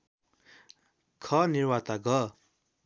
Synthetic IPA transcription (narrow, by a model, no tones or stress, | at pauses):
kʰʌnirwat̪aɡʌ